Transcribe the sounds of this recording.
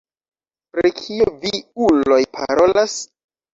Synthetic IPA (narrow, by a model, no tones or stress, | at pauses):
pɾekʰioviulo̞jpʰa̰ɾo̞las